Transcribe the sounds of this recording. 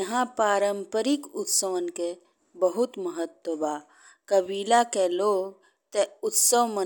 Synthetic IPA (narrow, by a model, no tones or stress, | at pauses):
ɐɦãpaːɾəmpəɾikʊt̪səʋənke | bəɦut̪məɦət̪ːəbaː | kəbiːlakeloːɡ | t̪eʊt̪səʋmɐ